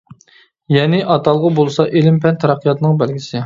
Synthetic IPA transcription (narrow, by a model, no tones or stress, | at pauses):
jɛnɪʔɑt̪ʰɑlˠʁɑbolˠsɑʔelɪmpʰɛnt̪ʰɛɾæqʰːijɑt̪nɨŋbælɡʲisɪ